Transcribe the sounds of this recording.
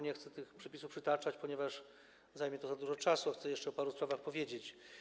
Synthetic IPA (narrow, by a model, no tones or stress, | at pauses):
ɲɛxt̪sɛt̪ɘxpʂɛpʲisufpʂɘt̪at͡ʂat͡ɕpɔɲɛvaʂ | zajmʲɛt̪ɔzad̪uʐɔt͡ʂasuaxt̪sɛjɛʂt͡ʂɛɔpaɾuspɾavaxpɔvʲjed͡ʑet͡ɕ